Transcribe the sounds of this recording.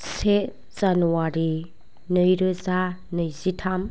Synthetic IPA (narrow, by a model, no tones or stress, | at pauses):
se | z̥anuwaɾi | nɯjɾɯzanɯjzitʰam